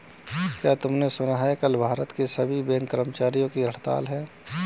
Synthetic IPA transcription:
kjaːt̪ʊmnesʊnaːɦekɐlbʱaːɾət̪kesɐbʱibẽːŋkəɾəmt͡ʃaːɾijõkiɾɐɽt̪a̰ːlɦɛː

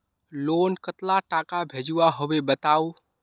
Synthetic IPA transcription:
lonkət̪laʈakabʱed͡ʒuaɦoʋebət̪au

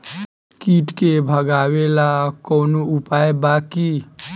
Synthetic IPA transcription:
kiːʈkebʱəɡaːwelakoːnoʊpaːjbaːki

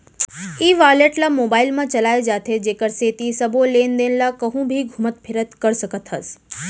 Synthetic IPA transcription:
iːʋaːɾleːʈlaːmoːbaːɪlmãt͡ɕɐlaːed͡ʑaːt̪ʰed͡ʑeːkəɾset̪isɐbʱoleːnd̪eːnɪlaːkɐɦũbʱiɡʱʊmət̪̚pʰɪɾət̪kɐɾsɐɡʱət̪ɦɐs

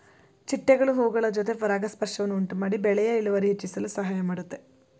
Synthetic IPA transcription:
t͡ʃiʈːɐɡɐɭuɦoːɡɐɭɐd͡ʒot̪epɐɾaːɡɐspɐrʂɐʋɐnːuuɳʈumaːɽibeɭɐjɐiluʋɐɾiɦit͡ʃːisɐlusɐɦaːjɐmɐɽut̪ːe

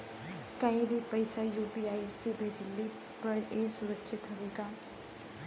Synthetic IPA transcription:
kəĩbʱipəɪsajuːpiːaːisebʱeːd͡ʒɪlːi | pɐɾeːsʊɾəkʃɪt̪ɦɐʋeːɡaː

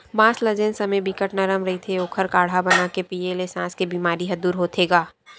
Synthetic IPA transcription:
maːslɐd͡ʒensɐməjbikəʈnaɾɐmɾɐɦit̪ʰeoːkʰəɾkaːɽ̤ɦabɐnaːkepiːelesãːskebiːmaːɾiɦɐd̪uːɾɦoːt̪ʰeːɡaː

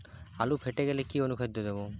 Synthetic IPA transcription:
alupʰeʈeɡɛlekionukʰed̪od̪ebo

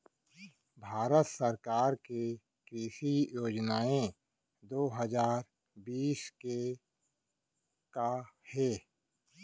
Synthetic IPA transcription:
bʱaːɾət̪səɾkaːɾke | kɾiːʃijoːd͡ʒnaːẽ | d̪oːɦəzaːɾ | biːske | kahɛː

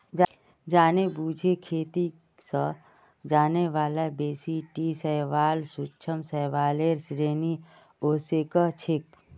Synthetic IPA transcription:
d͡ʒ | d͡ʒaːnebuːd͡ʒʱekʰeːt̪i | sə | d͡ʒaːneʋaːlabeːsiʈisəɦʋaːlsʊt͡ʃʰəmsəʋaːleːɾsɾeːni | oːsekət͡ʃʰɪk

